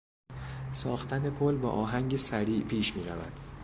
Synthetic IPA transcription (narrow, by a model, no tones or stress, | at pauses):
sɒːxt̪ʰæne̞pʰolbɒ̰ːʔɒːɦæŋɟesæɾiːʔpʰiːʃmiːɾævæ̰d̪̥